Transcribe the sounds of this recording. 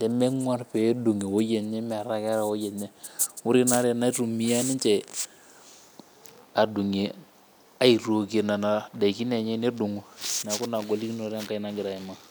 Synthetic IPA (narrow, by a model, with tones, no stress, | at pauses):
dɛ˨me˦ŋwa˦ɾpe˨˦du˨ŋe˨wo˦je˨ɲɛ˦m˨a˨ɾa˦ka˦ɾa˨wo˦je˨ɲɛ˦wu˦ɾi˦na˦ɾe˨na˦i˦tu˨mi˦a˦ni˦nt͡ʃe˨ | a˨du˨ŋe˨ | a˦i˨ɾo˨ke˨na˨na˨da˨i˨ki˦ne˨ɲe˦ne˦du˨ŋu˨n˨a˨ku˦na˨ɡo˨li˦ki˦no˨ɾŋka˦na˦ɡɪ˨ɾa˨i˨ma˦